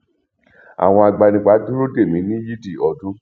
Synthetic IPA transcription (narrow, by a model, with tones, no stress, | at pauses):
a̰˨w̃ɔ̃˧a˨ɡ͡ba˧nĩ˧˨k͡pa˨˦dũ˦ɾo˦de˦˨mĩ˨˦nĩ˦ji˦di˦˨ɔ˨˧dũ˦